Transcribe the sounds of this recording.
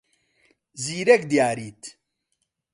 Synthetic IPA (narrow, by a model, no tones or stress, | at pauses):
ziːɾɛkd̪jaːɾiːt̪